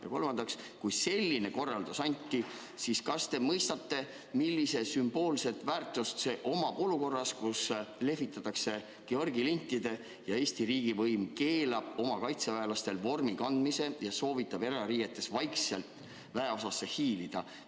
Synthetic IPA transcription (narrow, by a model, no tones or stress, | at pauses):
jɑ̰ko̞lmɑnd̪ɑks | kujse̞lʲːine̞ko̞rːɑld̪̥usɑnʲt̪ːˑi | siskɑst̪e̞mɤjst̪ɑt̪ːe̞ | milːise̞symb̥o̞ːlse̞t̪ˑvæːrt̪ˑust̪se̞ʔo̞mɑʔo̞luko̞rːɑskusle̞vit̪ˑːɑt̪ːˑɑkse̞ | keo̞rɡilinʲt̪ːˑid̪̥e̞ | jɑeːst̪iɾiːɡ̥ivɤjmke̞ːlɑb̥o̞mɑkɑjt̪sevæelɑst̪e̞lvo̞rmikɑnd̪̥mise̞jɑso̞ːvit̪ˑːɑb̥e̞ɾɑɾiːet̪ːˑe̞svɑjkse̞lt̪ˑ | væe̞o̞sɑsːe̞hiːlid̪̥ɑ